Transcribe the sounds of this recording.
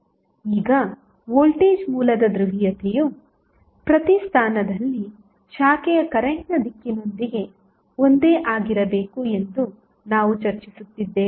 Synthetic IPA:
iːɡɐ | ʋolʈiːd͡ʒmuːlɐd̪ɐd̪ɾuʋijɐt̪ʰeju | pɾɐt̪ist̪ʰaːnɐd̪ɐlːi | ʃaːkɛjɐkɐɾɐɦnɐd̪ikːino̞nd̪iɡe̞ | ond̪e̞ːʔaːɡiɾɐbe̞ːkue̞nd̪u | naːʋut͡ʃɐɾt͡ʃisut̪ːid̪ːeː

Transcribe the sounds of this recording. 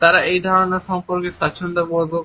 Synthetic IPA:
t̪aɾaejd̪ʱɔɾoneɾʃɔmpoɾkeat͡ʃʰond̪obolbo

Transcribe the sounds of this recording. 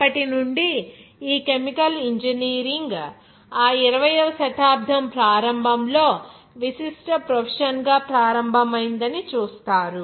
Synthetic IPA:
ɐpːɐʈinuɳɖiiːke̞mikɐliɲd͡ʒiniːɾiŋɡ | aːiɾɐʋɐjɐʋɐʃɐt̪aːb̚d̪ʱɐmpɾaːɾɐmbʱɐmlo̞ː | ʋisiʂʈɐpɾɐpʰɐʂɐnɡaːpɾaːɾɐmbʱɐmɐjind̪ɐnit͡ʃuːst̪aːɾu

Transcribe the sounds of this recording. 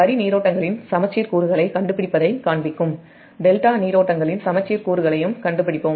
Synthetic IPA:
pɐɾiniːɾoːʈːɐŋɡɐɭɪnsɐmɐt͡ʃːiːɾkuːɾɯɣɐɭɐɪkɐɳɖɯpːɪɽɪpːɐðɐɪkaːɳbɪkːɯm | ɖɛlʈaːniːɾoːʈːɐŋɡɐɭɪnsɐmɐt͡ʃːiːɾkuːɾɯɣɐɭɐjɯmkɐɳɖɯpːɪɽɪpːoːm

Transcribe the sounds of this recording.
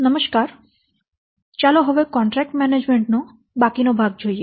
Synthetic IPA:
nʌmoʃkaɾ | t͡ɕaloɦɔbekɔɳʈɾɛk̚ʈmɛned͡ʑmeɳʈno | bakinobʱaɡ̚d͡ʑʱoje

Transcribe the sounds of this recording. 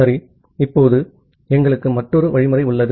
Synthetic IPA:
ɐɾi | ɪpːoːðɯ | ɛŋɡɐɭɯkːɯmɐʈːɔɾɯʋɐɻɪmɐɾɐɪʊɭːɐðɯ

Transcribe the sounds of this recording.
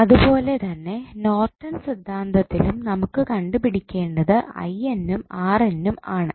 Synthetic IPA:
ɐðupo̞ːle̞t̪ɐnːe̞no̞ːrʈːɐnsid̪ʱːaːnd̪ɐt̪ːilumnɐmukːɨkɐɳɖupiɽikʲːe̞ːɳɖɐðɨɐ̰jenːumaːrenːumaːɳɨ

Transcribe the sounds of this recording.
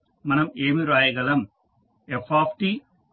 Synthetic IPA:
mɐnɐmeːmiɾaːjɐɡɐlɐm | efaːpʰʈi

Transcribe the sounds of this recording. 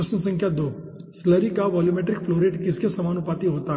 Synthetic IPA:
ɪsnəsə̃ŋkʰjad̪osləɾikaʋɔːlumeʈɾɪkfʰloːɾeʈkɪskesɐmaːnupat̪iɦoːt̪a

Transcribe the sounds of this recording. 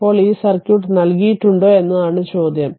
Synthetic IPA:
o̞ːɭiːsɐrkʲjuːʈːɨnɐlkijiʈːuɳɖo̞ːe̞nːɐðaːɳɨt͡ɕo̞ːd̪ʱjɐm

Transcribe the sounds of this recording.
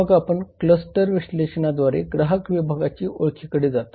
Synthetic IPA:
əɡapəɳkləsʈəɾʋiɕleɕɳad̪ʋaɾeɡɾaɦəkʋibʱaɡat͡ɕiːʔoɭkʰikəɽiːd͡zat̪

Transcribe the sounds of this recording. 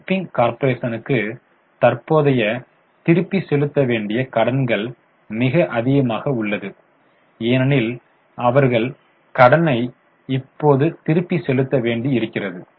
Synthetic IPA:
pːɪŋkaːɾpɐɾeːsɐnɯkːɯ | t̪ɐrpoːðɐjɐ | t̪ɪɾɯpːisɛlɯt̪ːɐʋeːɳɖɪjɐkɐɽɐnɡɐɭ | mɪɣɐʔɐðɪɣɐmaːɣɐʊɭːɐðɯ | eːnɐnɪl | ʔɐʋɐɾɣɐɭ | kɐɽɐnɐɪ | ɪpːoːðɯt̪ɪɾɯpːisɛlɯt̪ːɐʋeːɳɖiɪɾɯkːɪrɐðɯ

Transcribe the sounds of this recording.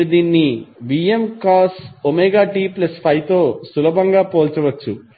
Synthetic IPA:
d̪iːnːiʋiemkaːsomeːɡaːʈiːplɐspʰɐjt̪oːsulɐbʱɐŋɡaːpoːlt͡ʃɐʋɐt͡ʃːu

